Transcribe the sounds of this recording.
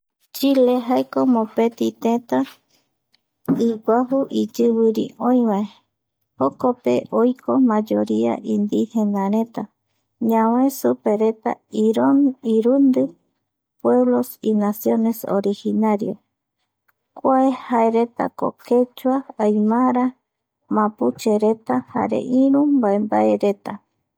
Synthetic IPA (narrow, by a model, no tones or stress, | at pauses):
t͡ʃileɦaekomõpet̪it̪ẽt̪a | iɡʷaɦuʔid͡ʒɨβɨɾḭõĩwae | hokopḛʔojkʰomãd͡ʒoɾia̰ʔĩnd̪ihenãɾẽ̞t̪a | ɲãwesupeɾe̞t̪a̰iɾoniɾund̪ɨ | pwe̞βlosinasjo̞ne̞so̰ɾihinaɾjo | kʷaehaeɾe̞t̪a̰ko̰kʰet͡ʃuaːjmaɾa | mãput͡ʃeɾet̪aha̰ɾḛʔĩɾũmbaembaeɾet̪a